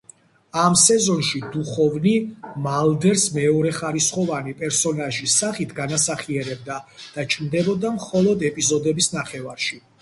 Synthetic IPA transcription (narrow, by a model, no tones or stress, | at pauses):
amsɛzɔnʃid̪uχɔvnimalˠd̪ɛɾsmɛɔɾɛχaɾisχɔvanipʼɛɾsɔnaʒisaχit̪ʰɡanasaχiɛɾɛb̚d̪ad̪̥at͡ʃʼmd̪ɛbɔd̪amχɔlˠɔd̪ɛpʼizɔd̪ɛbisnaχɛvaɾʃi